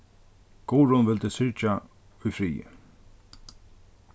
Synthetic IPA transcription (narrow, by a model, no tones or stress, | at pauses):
ɡ̥ɔːɾʊnʋɪlt̪ɛsʏɹt͡ʃa | ʊjfɾiːə̰